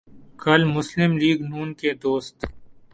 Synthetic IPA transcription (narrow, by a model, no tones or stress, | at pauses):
kɐlmʊslɪmliːɡnuːnked̪oːst̪